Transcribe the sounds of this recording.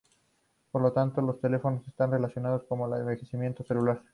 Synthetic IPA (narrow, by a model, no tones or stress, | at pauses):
po̞ɾlot̪ant̪o̞lo̞st̪e̞le̞fo̞nose̞st̪anre̞lasjo̞naðo̞sko̞molaðembexesimje̞nt̪o̞se̞lulaɾ